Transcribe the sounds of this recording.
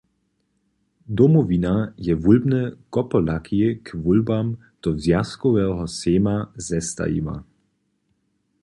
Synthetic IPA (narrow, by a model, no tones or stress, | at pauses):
d̪ɔmɔvinajɛvulbnɛkɔpɔlakʰijekvulbam | d̪̥ɔzjaskɔvɛːɦɔseːmazɛst̪a̰ḭma̰